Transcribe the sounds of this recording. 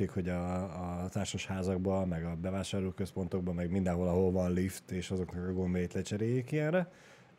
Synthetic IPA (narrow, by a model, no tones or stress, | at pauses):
eːkho̞ɟɒː | t̪aːrʃoʃhaːzɒɡbɒmɛɡɒbɛvaːʃaːrloːkøspo̞nt̪o̞ɡ̚bɒmɛɡmind̪ɛnɦo̞lɒɦolvɒnlift̪eːʃɒzo̞knɒkɒɡombejiːt̪lɛt͡ʃɛɾeːjːikiɛnrɛ